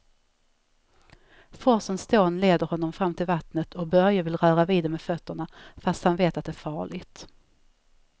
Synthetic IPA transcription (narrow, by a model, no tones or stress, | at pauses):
fɔsənst̪ʰoːnleːd̪əɾhɔnːɔmfɾamːt̪ʰɪlvat̪nət̪ʰɔk̚bœɾjavɪlɾœːɾaviːd̪ɛmɛːdfœt̪ːəɳafast̪hanveːt̪at̪̚d̪ɛæːɾfɑːɭɪɡt̪